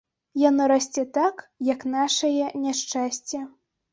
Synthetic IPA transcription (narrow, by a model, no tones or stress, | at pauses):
janɔɾasʲt͡sʲɛt̪akjɐknaʂɐjɛnʲaʂt͡ʂasʲt͡sʲɛ